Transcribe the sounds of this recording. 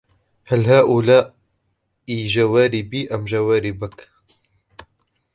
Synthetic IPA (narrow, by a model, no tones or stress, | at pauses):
hɐlhaːʔulaː | iːʒɐwaːɾiːbiːʔɐmʒɐwaːɾiːbək